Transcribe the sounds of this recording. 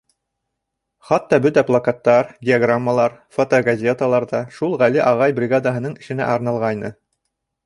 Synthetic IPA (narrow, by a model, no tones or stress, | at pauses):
χɑt̪ːɑbɵt̪æplˠɐkat̪ːɑɾdʲɪaɡramːəlˠɑɾfot̪oɡazʲet̪alˠɑɾðɑʃulˠʁæliʔɑʁɑjbrʲɪɡad̪aɦɤ̆nɤɴɘ̆ʃɘ̆næ̰ʔɑɾnɑlˠʁɑjnɤ